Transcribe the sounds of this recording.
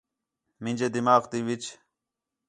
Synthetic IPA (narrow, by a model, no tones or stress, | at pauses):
mind͡ʑed̪imaːqt̪iʋit͡ɕ